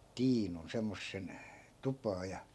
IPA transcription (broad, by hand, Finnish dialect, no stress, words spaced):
tiːnun semːosːen tupɑː jɑ